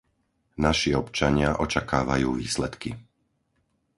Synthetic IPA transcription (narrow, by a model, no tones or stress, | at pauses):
naʃiɔpt͡ʃaɲɪaʔɔt͡ʃakaːʋa̰juːʋḭːslɛt̪ki